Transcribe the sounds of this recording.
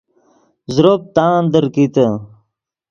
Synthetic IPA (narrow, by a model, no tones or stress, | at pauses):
zɾop̚t̪aːnd̪əɾkit̪ə